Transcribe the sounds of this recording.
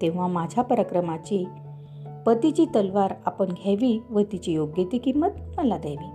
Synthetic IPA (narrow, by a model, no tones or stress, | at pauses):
t̪ẽʋ̤amad͡ʑʱapəɾakɾəmat͡ɕi | pət̪it͡ɕit̪əlʋaɾapəɳɡʱaʋiʋət̪it͡ɕijoɡjet̪ikimːət̪̚nəlad̪aʋiː